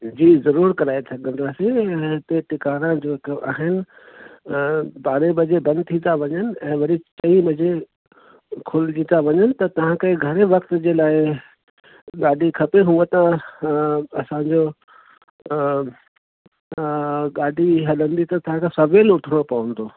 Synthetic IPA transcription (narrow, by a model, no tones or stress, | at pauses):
d͡ʑiːzɐɾuːɾkɐɾaːesʰɐɡə̃nd̪aːseɦɪt̪eʈɪkaːɾãd͡ʑoːkʔaːɦɪnɪ̆ | baːɾebɐd͡ʑebɐ̃nd̪̚t̪ʰĩt̪aʋɐɲənɪ̆ɛ̃ːʋɐɾit͡ɕɐimɐd͡ʑe | kʰʊld͡ʑit̪aʋɐɲənɪ̆t̪ɐt̪ɐʋ̤ãkeːɡʱɐɾeʋɐkt̪d͡ʑeːlaːɪ | ɠaːɖʱikʰɐpeɦũet̪ã | ɐsãːɲd͡ʑo | ɠaːɖʱiɦɐɗə̃nd̪it̪ɐt̪ɐʋãkasɐʋeːlʊʈʰəɽ̃opɐʋə̃nd̪oː